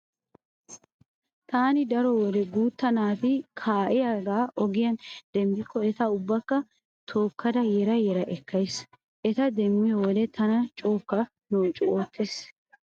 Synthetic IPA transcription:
t̪aːnɪd̪ɐɾɔwɔd̪ɛɡuːt̪ːɐnaːt̪ɪkʰaːʔɛjaːɡaːʔɔɡɪjɐnd̪̥ɛmbɪkːɔɛt̪ɐʊbːɐkːɐ | t̪ʰo̞ːkːɐd̪ɐjɛɾɐjɛɾɐʔɛkːɐjs | ʔɛt̪ɐd̪ɛmːɪjɔwɔd̪ɛt̪ɐnɐt͡ʃʼoːkːɐ | noːt͡ʃʼːʊoːt̪ʰːeːs

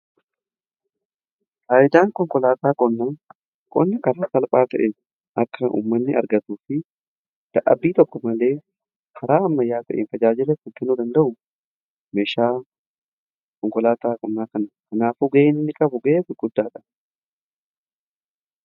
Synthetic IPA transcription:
kaːʔɪd̪aːŋkʼɔŋkʼɔlaːt̪aːkʼɔnːaː | kʼɔ̰nːɐkɐɾaːsɐlpʼaːt̪ɐʔe | ʔɐkːɐʔṵːmːɐnːɪɐ̰ɾɡɐt̪uːfɪ | d̪̥ɐʔɐ̰biːt̪ɔkːɔmɐle̞ː | hɐɾaːɐmːɐjːaːt̪ɐʔḛːnt̪ɐd͡ʒaːd͡ʒɪlɛkʊk̪ːɪnuːd̪ɐnd̪ɐʔʊ | meːʃaː | kɔŋkʼɔlaːt̪aːkʼɔnːaːkɐnɐkɐnaːfuɡɐʔeːnɪnːɪkʼɐbʊɡɐʔeːfɪɡʊd̪ːaːᶑɐ

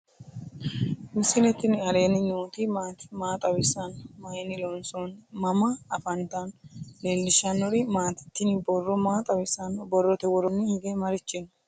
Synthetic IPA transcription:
mɪsɪnɛt̪ːɪnɪɐɾe̞ːnɪɲoːt̪ɪmaːt̪ɪmaːt̪ʼɐwɪsɐnmɐjɛnɪlɔnsɔnmɐmɐːfɐnt̪ɐnleːlːɪʃɐnːɔɾɪmaːt̪ɪ̥t̪ːɪnɪbɔrːɔmaːt̪ʼɐwɪsɐnbɔrːɔt̪ɛwɔɾɔnːɪhɪɡɛmɐɾɪt͡ʃːɪn

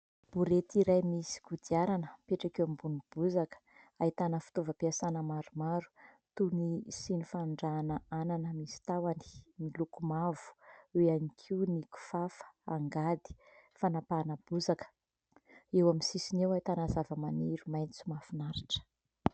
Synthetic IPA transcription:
b̥uɾet̪iɾajmisi̥ɡud̪iaɾanəpeʈ͡ʂakewambunib̥uzakə̥ | ait̪anəfu̥t̪ovəpiasanəmaɾumaɾu̥ | t̪unisinifaɳɖ͡ʐanəananəmisi̥t̪awani̥milukumavu̥eanikʰiwniku̥fafə̥aŋɡad̪i̥fanapanəb̥uzakə̥ | ewaminsisinewait̪anazavəmaniɾumajnt͡sumafunaɾiʈ͡ʂə̥

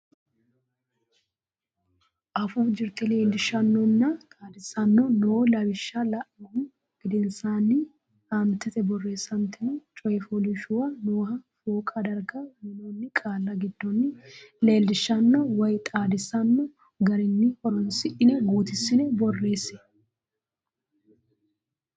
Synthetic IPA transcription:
ʔɐfuːd͡ʒɪɾt̪ɛle̞ːld̪ɪʃːɐnːɔnːɐt̪ʼaːd̪ɪsɐnːɔnoːlɐbɪʃːɐlɐʔɐhʊ | ɡ̥ɪd̪ɪnsaːnːɪ | ɐnt̪ɪt̪ɛbɔrːe̞ːsːɐnt̪ːɪnɛt͡ʃʼɔjɛfolɪʃʊwɐnoːhɐfoːkʼɐd̪ɐɾɡɐmɪnɔnːɪkʼaːlːɐɡɪd̪ːɔnːɪle̞ːld̪ɪʃːɐnːɔwɐjt̪ʼaːd̪ɪsɐnːɔ | ɡɐɾɪnːɪhɔɾɔnsɪʔɪnɛɡuːt̪ɪsːɪnɛbɔrːe̞ːsɛ̥

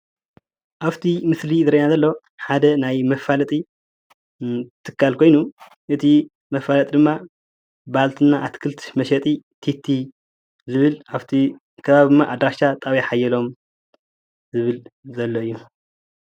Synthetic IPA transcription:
ʔaβt̪ʰimɨslizɨɾɐnazɐlːo | ħad̪ɐnajmɐfalɐt̪ʼi | t̪ʰɨkʰːalkʰo̞jnu | ʔɨt̪ʰi | mɐfalɐt̪ʼid̪ɨmːa | balt̪ʰɨnːaʔat̪kʰɨlt̪ʰɨ̥ʃmɐʃɛt̪ʼit̪ʰit̪ʰːi | zɨβɨlʔaβt̪ʰi | kʰɐβaβid̪ɨmːaʔad̪ɾaʃat̪ʼawijaħajːɛlo̞m | zɨβɨlzɐlːo̞ɨjːu

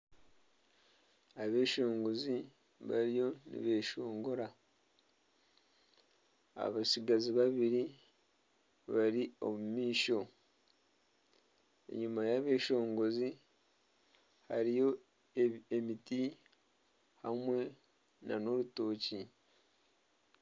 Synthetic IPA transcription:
aβe̞ːʃo̞ːŋɡo̞zi | βaɾijo̞nḭβe̞ːʃo̞ːŋɡo̞ɾa | a̰βasiɡaziβaβiɾi | βaɾio̞̰mumiːʃo̞ | e̞̰ɲumajaβe̞ːʃo̞ːŋɡo̞zi | haɾijo̞ | emiti | hamwe̞ | na̰no̞ɾuto̞ːci

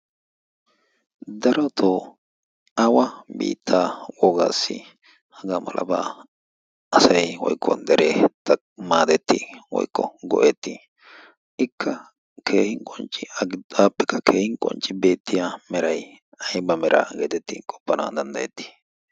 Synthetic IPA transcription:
d̪ɐɾɔt̪ʰo | ɐwɐbḭːt̪ʰːaːwɔɡaːsːɪ̰ | hɐɡaːmɐ̰lʔɐ̰baː | ɐsɐjwɔ̰jkʰːɔ̰d̪ɛɾeːt̪ | maːd̪ɛt̪ːiwɔ̰jkːɔ̰ɡɔ̰ʔet̪ːi | ʔɪkʰːɐ | kʰe̞ːhɪŋkʼɔnt͡ʃʼɪɐaːpːɛkːɐkeːhɪŋkʼɔ̰nt͡ʃʼːɪbe̞ːt̪ʰːɪjamɛɾɐj | ɐjbɐmɛɾʔa̰ːɡeːt̪ɛt̪ːikʼɔ̥pːɐna̰ːd̪ɐnd̪ɐjɛt̪ːi̥

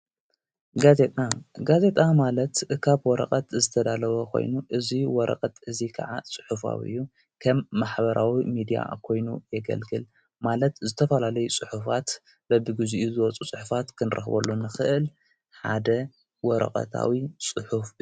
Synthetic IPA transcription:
ɡazet̪ʼaɡaze̞t̪ʼamalɐt̪kʰaβwɔɾɐ̰kʼɐt̪zɨt̪ʰɐd̪alɐβokʰo̞̰jnuʔɨziwɔɾʔɐ̰qʼɐt̪ɨzikʰa̰ʕasʼɨ̥ħufa̰βɨ̰jːu | kʰɐmːaħbɐɾʔawimid̪ija̰kʰo̞jnujɛɡɐ̰lɡɨl | malɐt̪zɨt̪ʰɐfɐlalɐjut͡sʼɨħufat̪ | bɐbɨɡɨzuʔizɨwɔt͡sʼusʼɨħufat̪kʰɨnɨɾʔɐ̰xbɐ̰lːunɨxɨʔɨl | ħa̰d̪ɐ | wɔɾɐ̰kʼɐ̰t̪ʰa̰wisʼɨħuf

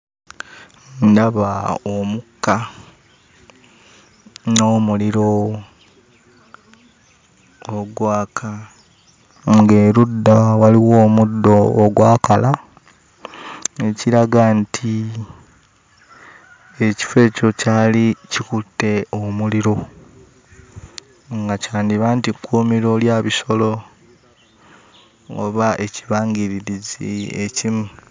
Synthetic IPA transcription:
ndaβaomukːa | noːmuliɾo̞ | ɡwaːkʰa | ŋɡeːɾudːawaliwo̞ːmudːo̞ːɡwaːkala | eciɾaɡantʰi | e̞ci̥fe̞ːco̞caːlicikutːe̞omuliɾo̞ | ŋɡacaːndiβaːntikʰːuːmiɾo̞ljaβiso̞lo̞ | o̰βaʔe̞ciβaːŋɡiɾiɾizḭḛcimu

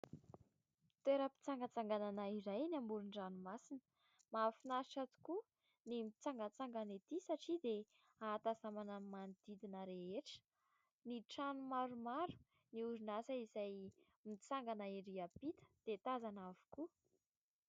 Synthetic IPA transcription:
t̪weɾəpi̥t͡saŋɡət͡saŋɡananaiɾajnambuɾunɖ͡ʐanumasinə̥ | mafinasiʈ͡ʂat̪u̥ku | nimit͡saŋɡət͡saŋɡanet̪isaʈ͡ʂid̪e | at̪azamanəmand̪̥id̪inəɾeeʈ͡ʂə̥ | niʈ͡ʂanumaɾumaɾu̥ | niuɾinasəizaj | mit͡saŋɡanaiɾiapit̪ə̥d̪̥et̪azanavu̥ku

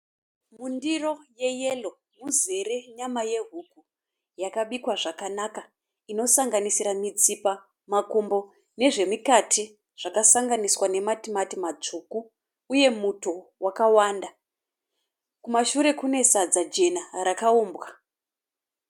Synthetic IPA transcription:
mundiro̞je̞je̞lo̞ | muze̞re̞ɲamaje̞ɦuku | jakaɓikwaʐakanaka | ino̞saŋɡanisiɾamit͡sipa | makumbo̞ | ne̞ʐe̞mikatʰi | ʐ̥akasaŋɡaniswane̞matimatimad͡zukuː | je̞muto̞wakawaːnda | kumaʃuɾe̞kune̞sad͡zad͡ʒe̞naɾakauːmbwa

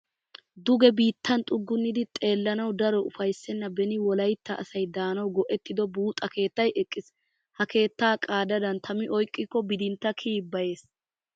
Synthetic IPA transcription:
d̪ʊɡɛbiːt̪ːɐnt̪ʼʊɡːʊnːɪd̪ɪt̪ʼe̞ːlːɐnɐwd̪ɐɾɔʔʊfɐjsːɛnːɐbɛnɪwɔlɐjt̪ːɐʔːsɐjd̪aːnɐwɡɔʔɛt̪ːɪd̪ɔbuːt̪ʼɐke̞ːt̪ːɐjɛkʼːɪs | hɐke̞ːt̪ːaːkʼaːd̪ɐd̪ɐnt̪ʰɐmɪʔɔjkʼːɪkːɔbɪd̪ɪnt̪ːɐkʰiːbːɐje̞ːs

